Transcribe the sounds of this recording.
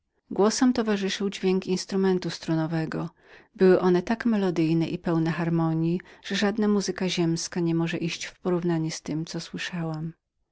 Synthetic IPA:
ɡwɔsɛmt̪ɔvaʐɘʂɘwd͡ʑvʲjeŋkinst̪ɾumɛnt̪ust̪ɾunɔvɛɡɔ | bɘwɘʔɔnɛt̪akmɛlɔd̪ɘjnɛʔipɛwnɛxaɾmɔɲjiʐ̥ɛʐad̪namuzɘkaʑɛmskaɲɛmɔʐɛʔiɕt͡ɕfpɔɾuvnaɲɛst̪ɘmt̪sɔswɘʂawam

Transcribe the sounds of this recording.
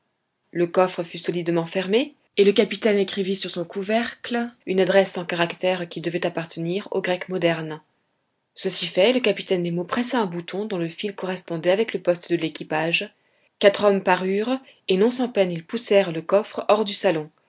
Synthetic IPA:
ləkɔfχəfysɔlid̪mɑ̃fɛʁme | eləkapit̪ɛnekχivisyʁsɔ̃kuvɛʁklynad̪ʁɛsɑ̃kaʁakt̪ɛʁkʲid̪əvɛt̪apaʁt̪əniʁo̰ɡʁɛkmɔd̪ɛʁn | səsifɛləkapi̥t̪ɛnd̪emopχɛsaɛ̃but̪ʰɔ̃d̪ɔ̃ləfilkɔʁɛspɔ̃d̪ɛavɛkləpɔst̪d̪əlekʲipaʒ | kat̪χɔmpaʁyʁ | enɔ̃sɑ̃pɛnilpusɛʁləkɔfχɔʁd̪ysalɔ̃

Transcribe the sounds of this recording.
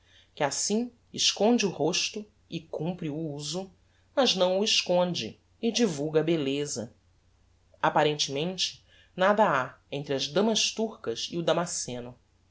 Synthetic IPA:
kɪasĩ | ɪʃkõnd͡ʒɪuhoʃt̪ʊ | ɪkũmpɾiuuzʊ | mɐznɐ̃w̃ʊɪʃkõnd͡ʒɪ̰ | ɪd͡ʒivuwɡɐbelezɐ̰ | apaɾẽnt͡ʃɪmẽnt͡ʃɪ̥ | nad̪ɐaẽnt̪ɾɪɐzd̪ɐ̃mɐʃt̪uɾkɐziud̪amasẽnʊ

